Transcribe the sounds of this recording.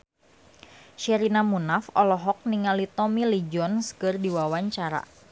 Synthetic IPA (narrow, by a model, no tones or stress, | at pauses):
ʃɛɾinamunafɔlɔɦɔk̚niŋalit̪ɔmilid͡ʒɔnskɨrdiwawaɲt͡ʃaɾa̰